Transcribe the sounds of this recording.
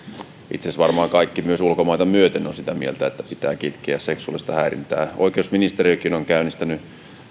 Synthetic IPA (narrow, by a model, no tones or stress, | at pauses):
ʔḭt̪sesʋɑrmɑːŋkɑikːimyøsulkomɑit̪ɑmyøt̪enːonsit̪æmielt̪æet̪ːæ̥pit̪æ̰ːkit̪kiæsseksulist̪ɑhæirḭnt̪æ̰ːʔo̰ikeusminist̪eɾiokinoŋkæynist̪æny